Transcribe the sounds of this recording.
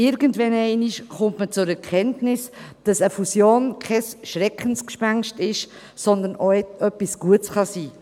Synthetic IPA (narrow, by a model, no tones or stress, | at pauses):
ɪɾɡəntvɛnɛɪniʃχʊntmət͡sʊɾɛɾkʰɛntnɪsd̥ɑsəfusjoːnkʰɛsʃrɛkənskʃpaŋʃtɪʃ | sɔndənoɛœpːisɡ̥uətsχɑsiː